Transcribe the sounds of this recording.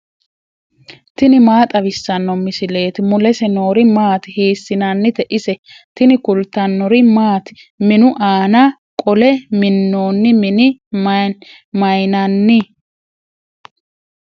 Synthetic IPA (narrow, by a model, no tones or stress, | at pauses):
t̪ɪnɪmaːt̪ʼɐβɪsːɐnːɔmɪsɪle̞ːt̪ɪmʊlɛsɛno̞ːɾɪmaːt̪hiːsːɪnɐnːɪt̪ɛʔɪsɛ | t̪ɪnɪkʊlt̪ɐnːɔɾɪmaːt̪ɪ̥ | mɪnʊʔaːnɐ | kʼɔlɛmɪnːo̞ːnːɪmɪnɪ | mɐjnɐnːɪ